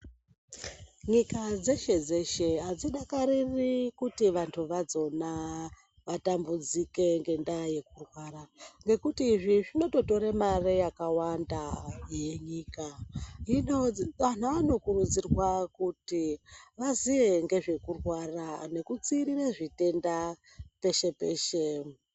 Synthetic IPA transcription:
ɲikad͡ze̞ʃe̞d͡zeʃe̞ɦad͡ziɗakaɾirikutiʋantʰuʋad͡zo̞na | ʋatambud͡zike̞ŋɡe̞ndaje̞kurwaːɾaŋɡe̞kutiːʐiʐino̞to̞to̞ɾemarejakawandajeɲiːkainoʋan̤uano̞kurud͡zirwakutiʋaziʋe̞ŋɡe̞ʐe̞kurwarane̞kut͡siːɾireʐite̞nda | pe̞ʃe̞pe̞ːʃe

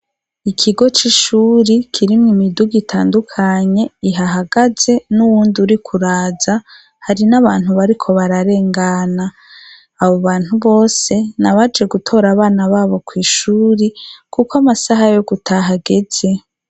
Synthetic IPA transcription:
ikʰiɡo̞t͡ʃiʃuːɾikʰiɾimŋimiduɡitʰaːndukʰaɲe̞iɦaɦaɡaze̞nuwuːndiuɾikʰuɾaːza | haɾinaβaːn̥huβaɾikʰo̞βaɾaɾe̞ːŋɡanaː | βo̞βaːn̥huβo̞ːse̞naβad͡ʒe̞ɡutʰo̞ːɾaβaːnaβaːβo̞kwiːʃuːɾikukwamasaɦajo̞ɡutʰaɦaɡe̞z̥e̞

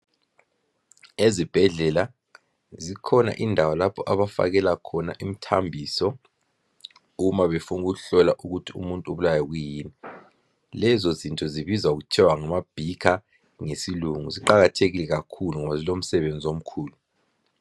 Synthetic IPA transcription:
ezib̥ʱɛɮɛla | zikʰɔna̰ʔindʱawalapʰɔʔaβafa̰ɣ̬ɛlakʰɔna̰ʔim̩tʰambʱisɔ | umaβefunukuɣuɬɔlaʔuɣutʰiṵmuntʼuβulajɔɣ̬ujiːni | lɛzɔzintʼɔziβizwauɣ̬ut͡ʃʰɛwaŋamab̥ʱikʰa | ŋesiluŋuziǃaɣatʰeɣilɛɣakʰuluŋɔβazilom̩sɛβend͡zʱiom̩kʰuːlu

